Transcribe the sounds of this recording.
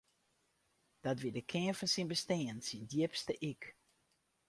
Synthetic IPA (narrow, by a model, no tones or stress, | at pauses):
d̥ɔtʋidəkʰɪənfɔnsinbəsteənsindjipstəʔik